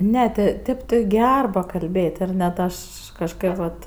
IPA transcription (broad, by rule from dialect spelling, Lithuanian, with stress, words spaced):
ˈnʲɛ tʲɪ ˈtʲeːp tʲɪ ˈɡʲɛr pɐkɐlʲbʲeːt ɪr nʲɛt ˈɐʃ kɐʃˈkɐt ʋɐt